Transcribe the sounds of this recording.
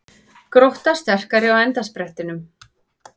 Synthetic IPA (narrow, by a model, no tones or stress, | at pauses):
kɾoht̪ast̪ɛr̥kaɾɪawɛnt̪aspɾɛht̪ɪnʏm